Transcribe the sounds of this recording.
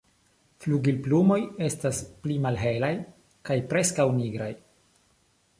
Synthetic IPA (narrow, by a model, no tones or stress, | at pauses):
fluɡilplumo̞je̞stasplimalɦe̞laj | kajpɾe̞skawniɡɾaj